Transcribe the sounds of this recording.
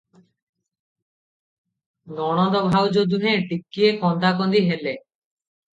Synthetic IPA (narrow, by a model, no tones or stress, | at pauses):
ɡɔɽ̃ɔd̪ɔbʱawd͡ʒod̪uɦẽʈikːiekɔnd̪akɔnd̪iɦele